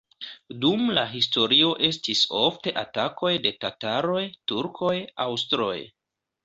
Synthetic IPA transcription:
dumlaɦisto̞ɾio̞ʔe̞stiso̞fte̞ʔatakʰo̞jde̞tataɾo̞jtuɾkʰo̞jawstɾo̞̰j

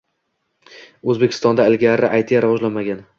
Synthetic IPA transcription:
ɵzbekʰʲɪ̥st̪ɒnd̪aɪlɡʲaɾɪʔajt̪ʰijaɾavɒʒlanmaɡʲan

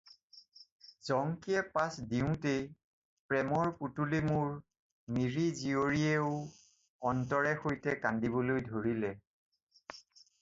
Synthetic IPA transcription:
zɔŋkiɛpasdiʊ̃te | pɹɛmɔɹputulimʊɹ | miɹizioɹieʊ | ɔntɔɹɛxojtɛkandibɔlojdʱoɹilɛ

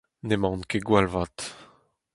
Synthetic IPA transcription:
nemɑ̃nkeɡwalvat̪

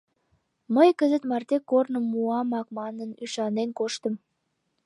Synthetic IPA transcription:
məjkəzə̆t̪mɑrt̪ekːornə̆mːuɑmɑk̚mɑnənyʃɑnenkoʃt̪ə̆m

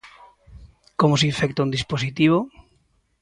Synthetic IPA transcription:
komosifɛk̚t̪aund̪isposit̪iβo

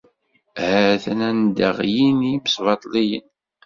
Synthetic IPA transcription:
hæθnænd̪ə̰ʁjiniməsvɑt̪ˤlijə̰n

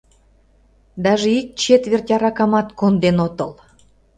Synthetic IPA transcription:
d̪ɑʒeik̚t͡ɕet̪βʲert̪ʲɑɾɑkɑmɑt̪kond̪enot̪ɤl

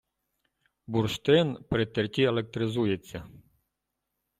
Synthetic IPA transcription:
burʃt̪ɪnpɾɪt̪erʲt̪ʲielˠek̚t̪ɾɪzujet͡sʲːɐ

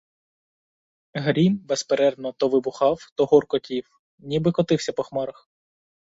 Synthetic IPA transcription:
ɦɾʲimbespeɾɛd̪nɔt̪ɔʋɪbʊxɑwt̪ɔɦɔrkɔtʲiw | nʲibɪkɔt̪ɪwsʲɐpɔxmɑɾɐx

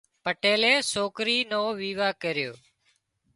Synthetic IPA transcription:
pəʈeːleːsoːkɾiːnoːʋiːʋaːkəɾɪjoː

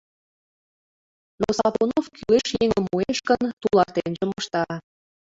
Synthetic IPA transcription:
nosɑβonofkyleʃjeŋəmːueʃkənt̪ulɑrt̪enʒĕmŏʃt̪ɑ

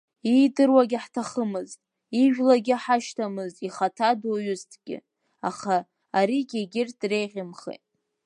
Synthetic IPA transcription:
idɨrwaɡʲɪħtʰaχəmɨztʼ | iʒᶣlaɡʲɪaħaʃtʰamɨztʼiχatʰadoɥʊztʰɡʲɪ̰ | a̰χaː | ɾiɡʲeɡʲɪrtʰre̞jʁʲɪmχḛjtʼ

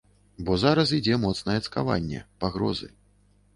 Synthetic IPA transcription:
bɔzaɾɐs̬id͡zʲɛmɔt̪snɐjɛt̪ska̰va̰nʲːɛ̰paɣɾɔ̰zɨ̰

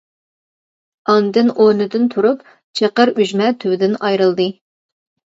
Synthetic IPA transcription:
ɑnd̪ɨnʔonɨd̪ɨnt̪ʰuɾup | t͡ʃʰeqəɾyʒmɛt̪ʰywɪd̪ɪnɑjɾɨlˠd̪ɨ

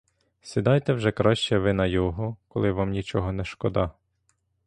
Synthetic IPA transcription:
sʲid̪ɑjt̪ɛwʒɛkɾɔʃt͡ʃɛʋɪnɐjɔɦɔkɔlˠɪʋɑmnʲit͡ʃɔɦɔnɛʃkɔd̪ɑ

